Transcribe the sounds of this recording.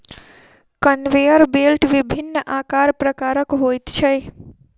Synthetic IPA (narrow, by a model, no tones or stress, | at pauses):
kənʋejəɾbelʈʋibʱinːʔakaɾpɾəkaɾəkɦojt̪t͡ʃʰəj